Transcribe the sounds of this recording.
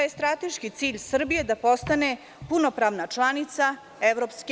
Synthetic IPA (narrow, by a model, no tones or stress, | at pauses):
ajest̪ɾat̪eʃkit̪siːʎʲsr̩bije̞d̪apo̞st̪ane | puno̞pɾaʋnat͡ʂlˠanit̪sa | eʋɾopske